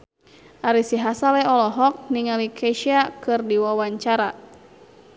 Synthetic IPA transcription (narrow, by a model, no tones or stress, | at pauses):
ʔaɾisiɦasalɛɔlɔɦɔk̚niŋalikʰɛʃiakɨrdiwawaɲt͡ʃaɾa